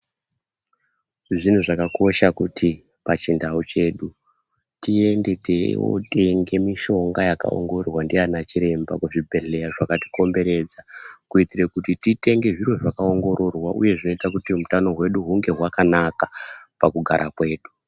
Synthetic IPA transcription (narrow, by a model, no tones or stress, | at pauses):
ʐin̤uʐakako̞ʃakutʰi | pat͡ʃindaut͡ʃe̞ːɗu | tiende̞tewo̰te̞ŋɡe̞miʃo̞ŋɡajaka̰o̰ŋɡo̞rwandianat͡ʃiɾe̞mba̰kuʐibʱe̞ɮe̞jaʐakati̥ko̞mbe̞ɾe̞d͡zakuitirekutitite̞ŋɡe̞ʐirwo̞ʐakaoŋɡo̞ɾo̞rwaʔṵje̞ʐino̞itakutimutano̞ɦwe̞ɗuɦuŋɡe̞ɦwakanakapakuɡʱa̰ɾʔakwe̞ːɗu